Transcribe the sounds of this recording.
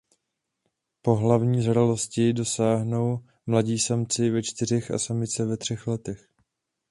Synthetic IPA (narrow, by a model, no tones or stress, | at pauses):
po̞ɦlavɲiːzaɾalo̞scɪdo̞saːɦnow | mlaɟiːsamt͡sɪvɛt͡ʃt̪ɪr̝ɛxa̰samɪt͡sɛvɛt̪r̝̥ɛxlɛt̪ɛx